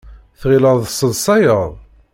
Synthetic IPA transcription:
θʁiləðˤəsəlsˤɑjəðˤ

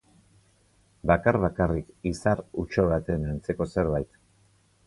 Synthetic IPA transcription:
bakaɾβakarikisarut͡ʃo̞βat̪e̞nant͡se̞ko̞se̞ɾβajt̪

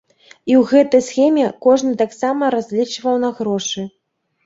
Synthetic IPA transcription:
iwɣɛt̪ɐjsxʲɛmʲɛkɔʐnɨt̪aksamɐɾazʲlʲit͡ʂvɐwnɐɣɾɔʂɨ

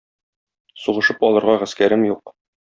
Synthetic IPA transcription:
suʁɤ̆ʃɤpɒlˠɤ̆ɾʁɑʁæskæɾɘmjuq

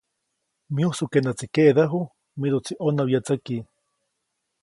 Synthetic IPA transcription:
miuhsukenat͡sikeʔðaɦu | miɾot͡sʰiʔonawjat͡saki

